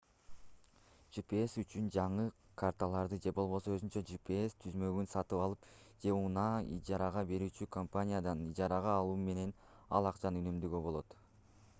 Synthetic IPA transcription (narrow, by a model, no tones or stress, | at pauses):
ʒ̥ipeesyt͡ʃynd͡ʒɑɴɯkʰart̪alˠɑɾd̪ɯd͡ʒe̞bo̞lˠβo̞soøzynt͡ʃød͡ʒipeest̪ʰyzmø̞ɡynsɑt̪ɯpɑlˠɯpd͡ʒe̞unɑḭd͡ʒɑɾɑʁɑbe̞ɾyːt͡ʃykʰompanʲijad̪ɑnid͡ʒɑɾɑʁɑːlˠuːme̞ne̞n | ɑlˠɑqt͡ʃɑnynømd̪yɡøbo̞lˠo̞t̪